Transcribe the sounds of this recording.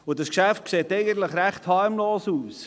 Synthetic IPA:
ʊdɑskʃæft̚kseːtɛɪɡən̩t̪ləχɾæχthɑɾmloːsuːs

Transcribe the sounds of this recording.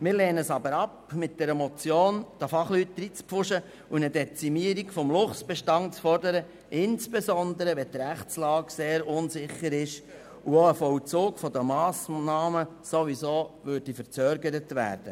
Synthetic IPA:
mɪːɾleːnəəsɑbəɾɑpmɪt̚d̥ɛɾəmɔt͡sjoːnd̥əfɑχlyt̚d̥̪ɾiːt͡spfʊʃə | unədɛt͡simiəɾikfɔmlʊχsb̥ɛʃtɑnt͡sfɔɾdəɾə | ɪnsb̥esɔnd̪əɾəʋɛt̪ɾæχt͡slɑːkseːɾʊnsɪχəɾɪʃ | uoəfɔwt͡soːkfɔd̪əmɑːsnɑːməsoʋisoːvʏɾd̥ifəɾt͡sœːɾɡəɾətʋæ̰ːɾd̥ə

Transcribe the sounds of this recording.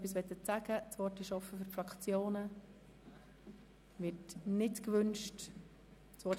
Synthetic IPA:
pːisʋɛt̪ːətt͡sæɡət͡sʋɔrtɪʃɔfəfʏɾfɾɑkʰt͡sjoːnə | ʋɪtnɪtkʋʏnʃt | t͡sʋɔ

